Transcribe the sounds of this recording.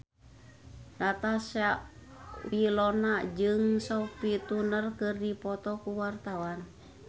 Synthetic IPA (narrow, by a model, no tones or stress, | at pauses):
dat̪asaʔwilɔnad͡ʒɨŋsɔpit̪unərkɨrdipɔt̪ɔkuwart̪awan